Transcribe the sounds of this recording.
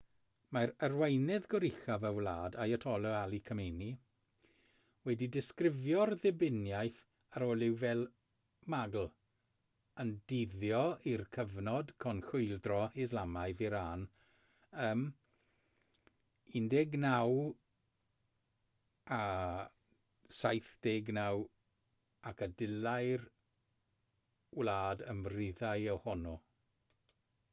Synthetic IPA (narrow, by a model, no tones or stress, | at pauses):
maɾərwejnɛðɡɔɾɪxavəwlˠa̰ːdajətʰɔlˠɔalˠikʰəmejni | wɛdidɪskrɪvjɔrðɪbɪnjajθ | aɾoːlˠɪwvɛlˠ | maɡl̩ˠ | əndɪðjɔirkʰəvnɔd̥kʰɔnxʊɨlˠdrɔɪzlˠamaɨðiɾaːn | əːm | indɛɡnaw | a | sajθd̥eɡnaw | akʰadɪlajr | wlaːdəmrɪðaɨɔwhɔnu